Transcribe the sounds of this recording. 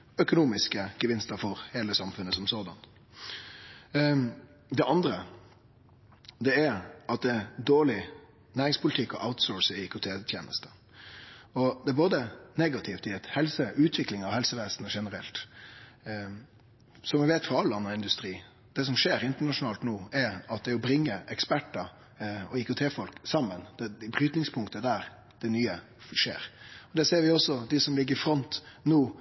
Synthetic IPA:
œkʊnuːmɪskəɡ̥əʋɪnst̪əɾfɔɾheːləsɑmfʉnːəsɔmsoːd̪ɑn | d̪ɛʔɑnd̪ɾə | d̪ɛæɾɑt̪̚d̪ɛd̪oːɭɪ | næːɾɪŋspʊlɪt̪ʰɪkːɔ̰ʔaʊt̪sɔːɹsɪkʰʊt̪ʰeːt̪ʰjḛːnə̰st̪ə | ɔd̪ɛæɾboːd̪əneɡɑt̪ʰɪft̪ɪɛt̪hɛlsəʔʉːt̪ʰʋɪklɪŋɑʋhɛlsəʋeːsnəʂɛnəɾɛ̰lt̪ | sɔmʋɪʋeːt̪fɔɾɑlːɑnːɑɪnd̪ʉst̪ɾiː | d̪̥ɛs̬ɔmʂeːɾɪnt̪əɳɑʂʊnɑːlt̪noːɛɾɑt̪̚d̪ɛæɾɔbɾɪŋːəʔɛkspæʈːə | ɔɪkʊt̪ʰeːfɔlksɑmːənd̪̥ɛbɾyːt̪nɪŋspʰʊŋkt̪əd̪æɾ | d̪̥ɛnyːə | ʂḛːɾɔd̪ɛseːɾʋɪɔsːɔd̪ɪsɔmlɪɡːɾfɾɔnt̪noː

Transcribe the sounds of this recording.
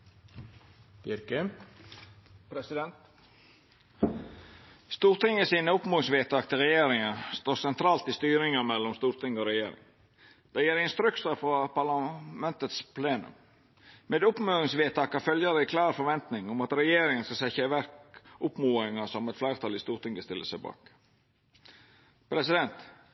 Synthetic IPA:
b̥ɪɾkə | pɾɛsɪd̪ɛnt̪ | st̪uːɾt̪ʰɪŋːəsiːnəʊpmuːɪŋsʋeːt̪ʰɑːk̚t̪ʰɪlɾɛjeːɾɪŋəst̪oːɾsɛnt̪ʰɾɑːlt̪ɪst̪yːɾɪŋəmɛlːɔmst̪uːɾt̪ʰɪŋəɔɾɛjeːɾɪ̰ŋ | d̪̥ɛjeːɾɪɛnst̪ɾʉksəfɾɑpɑlɑmɛnt̪ət̪spʰleːnʉ̰m | meːd̪ʊpmøːɪŋsʋeːt̪ʰɑːkɑfœljɑɾəɪkʰlɑːɾfɔʋɛnt̪nɪŋʊmɑt̪ɾɛjeːɾɪŋənskɑsɛçəʋæɾkʊpmuːɪŋɑsɔmɛt̪flæɪɾt̪ʰɑːlɪst̪uːɾt̪ɪŋəst̪ɪlːəsəbɑ̰ːk | pʰɾɛsɪd̪ɛnt̪

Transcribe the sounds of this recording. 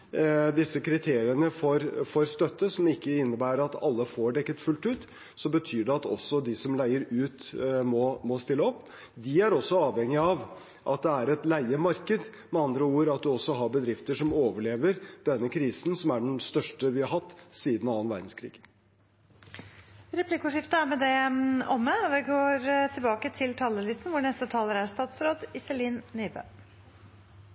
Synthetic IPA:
d̪ɪsːəkʰɾɪt̪ʰeːɾɪənəfɔɾfɔɾst̪œt̪ːəsɔmɪkːəɪnːəbæːɾəɾɑt̪ɑ̰lːəfoːɖɛkːət̪fʉlt̪ʉːt̪ | sɔbət̪ʰyːɖɛɑt̪ɔ̰sːɔd̪ɪsɔmlæɪəɾʉːt̪mɔmɔst̪ɪlːəɔpː | d̪ɪæɾɔsːɔɑːʋhɛŋɪɑʋ | ʔɑt̪̚d̪ɛæɾɛt̪læɪəmɑɾkəd̪ | mɛɑnd̪ɾəuːɾɑt̪̚d̪ʉɔsːɔɦɑɾbəd̪ɾɪft̪əʂɔmoːʋəɭeːʋəɾd̪̥ɛnːəkʰɾiːsn̩sɔmæɖɛnst̪œʂʈəʋɪhɑɾhɑt̪ːsiːd̪n̩ɑːənʋæ̰ɾɖ̪n̩skʰɾḭːɡ̥ | ɾɛpʰlɪkʊʂɪft̪əæmɛd̪ɛɔmːəʋɪɡoːɾt̪ʰɪlbɑːkət̪ʰɪlt̪ʰɑlːəlɪst̪n̩ʋʊɳɛst̪ət̪ʰɑːləɾæst̪ɑːt̪sɾoːd̪ɪsəliːnnyːbø̰ː

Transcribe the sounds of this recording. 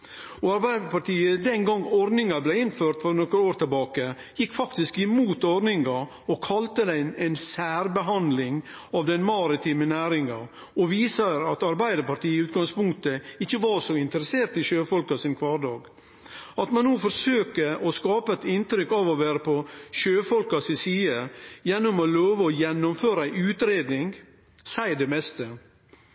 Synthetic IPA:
ɔɑɾbæɪd̪əɾpɑʈʰiːəd̪ɛnɡɑŋɔɾd̪nɪŋɑblɛɪnføːɾʈ̪fɔɾnɔkəɾoːɾt̪ɪlbɑːkə | jɪkːfɑkt̪ɪskɪmuːt̪ɔɾnɪŋɑ | ɔkʰɑlt̪əd̪æɪnɛɪnsæːɾbəɦɑnd̪lɪŋ | ɑʋd̪ɛnmɑɾɪt̪ʰiːmənæːɾɪŋɑ | ɔʋiːsəɾɑt̪ɑɾbæɪd̪əɾpɑʈiːəɪʉːt̪̚ɡɑŋspʊŋk̚t̪əɪçːəʋɑːʂɔɪnt̪əɾəseːɾt̪ɪʃøːfɔlkɑsɪnkʰʋɑːɾɖɑːɡ | ɑt̪mɑnːuːfɔɾsøːkəʔɔskɑːpəɛt̪ɪnt̪ɾʏkɑʋɔʋæːɾəpʰɔʃøːfɔlkɑsɪsiːəjɛnːɔmɔloːʋəɔjɛnːɔmføːɾəæɪʉːt̪ɾeːd̪nɪŋ | sæɪd̪ɛmɛst̪ə

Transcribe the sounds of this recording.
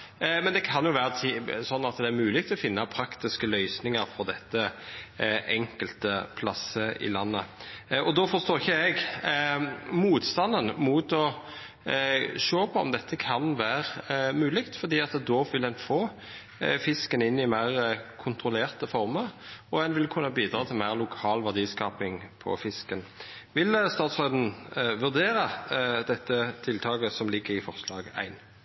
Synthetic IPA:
mɛnd̪ɛkʰɑnjʊʋæːʁət̪ʰisɔnːɑt̪d̪ɛæɾmʉːlɪɡ̚t̪ʰɔfɪnːɑpʰɾɑkt̪ɪskəlœʏsnɪŋəɾfɔd̪ɛt̪ːə | ʔɛŋkəlt̪əpʰlɑsəɪ̰lɑnːə̰ɔd̪ɔfɔɾst̪oːɪçːəɛɡ | muːt̪st̪ɑnːənmuːt̪ɔ | ʃoːpʰɔɔ̰md̪ɛt̪ʰːəkʰɑnʋæːɾmʉːlɪkt̪fɔʁd̪iːɑt̪d̪oːʋɪld̪ɛnfoː | fɪskənɪnːɪmæɪʁəkʰʊnt̪ʁʊleːʁt̪əfɔʁməɾɔɛnʋɪlkʰʉnːəbiːd̪ɾɑːt̪ʰɪlmæɪʁlʊkʰɑːlʋæʁd̪iːskɑːpɪŋpʰɔ̰fɪskənʋɪlst̪ɑːt̪sʋɑd̪n̩ʋʉʁd̪eːʁəd̪ɛt̪ːət̪ʰɪlt̪ʰɑːɡəsɔmlɪɡːəʁɪfɔʁslɑ̰ːɡæ̰ɪn

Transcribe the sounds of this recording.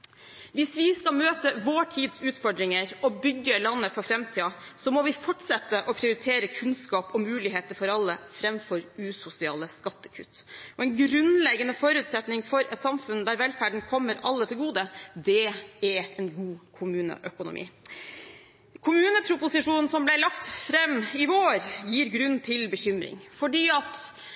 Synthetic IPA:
ʋɪsʋɪskɑlmøːt̪əʋoːʈʰiːd̪sʉːt̪fɔɖɾɪŋəɾɔbʏɡːəlɑnːəfɔɾfɾɛmt̪ʰiːɑsɔmɔʋɪfɔʈʂɛt̪ːəʔɔpʰɾɪʊɾɪt̪ʰeːɾəkʰʉnskɑːpɔmʉːlɪɦeːt̪əɾfɔɾɑlːəfɾɛmfɔɾʉːsʊsɪɑ̰ːləskɑt̪ːə̥kʰʉ̰t̪ːɔɛɪnɡɾʉnlɛɡːənəfɔɾʉːt̪sɛt̪nɪŋfɔɾɛt̪sɑmfʉnd̪æɾʋɛlfæɖɳ̩kʰɔmːəɾɑ̰lːət̪ʰɪlɡuːd̪əd̪ɛɛɾɛnɡuːkʰʊmʉːnə̰ʔœkʊnʊ̰mʔḭː | kʰʊmʉːnəpʰɾʊpʊsɪʂuːnn̩sɔmblæɪlɑkt̪fɾɛmɪʋoːɾjiːɾɡɾʉnt̪ʰɪlbəɕʏmɾɪ̰ŋfɔɖiːɑt̪

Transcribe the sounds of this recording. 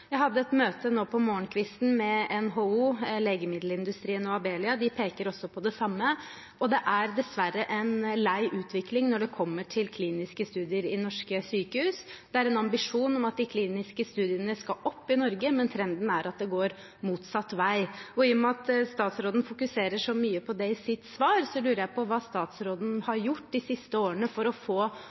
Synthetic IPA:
jæɪhɑd̪ːəɛt̪møːt̪ənoːpʰɔmoːəɳkʰʋɪst̪n̩mɛɛnɦoːuːleːɡəmɪd̪l̩ɪnd̪ʉst̪ɾiːənɔɑbeːlɪɑd̪ɪpʰeːkəɾɔsːɔpʰɔd̪ɛsɑmːə | ɔd̪ɛʔæɾd̪ɛsʋæɾːəʔɛnlæɪʔʉːt̪ʰʋɪklɪŋnɔɖɛkʰɔmːəʈʰɪlkʰliːnɪskəst̪ʉːd̪ɪəɾɪnɔʂkəsyːkəhʉːsd̪̥ɛæɾɛnɑmbɪʂuːnɔmɑt̪̚d̪ɪkʰliːnɪskəst̪ʉːd̪ɪənəskɑʔɔpːɪnɔɾɡəmɛnt̪ʰɾɛnd̪n̩æɾʔɑt̪̚d̪ɛɡoːɾ | muːt̪sɑt̪ːʋæɪɔɪjʊmɛɑt̪st̪ɑːt̪sɾoːd̪n̩fʊkʉseːɾəʂɔmyːəpʰɔd̪ɛɪsɪt̪sʋɑːɾsɔlʉːɾəjæɪpʰɔʋɑːst̪ɑːt̪sɾoːd̪n̩hɑɾjʊʈːd̪ɪsɪst̪əoːɾənəfɔɾɔfoː

